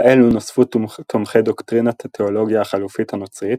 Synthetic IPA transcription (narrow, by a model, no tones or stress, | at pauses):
ʔelunosfutʰomχejdoktʁinat̪ʰatʰeolo̞ɡjaːχalufithanot͡sʁit